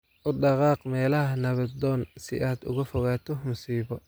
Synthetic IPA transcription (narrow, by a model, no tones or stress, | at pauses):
ʔʊɖɑqɑːqmɛːlɐɦɐnɐβɐd̪ɔːnsɪ̰ʔaːd̪ʊ̰ɣɐfɔɣaːt̪ʰɔmʊsiːβɔ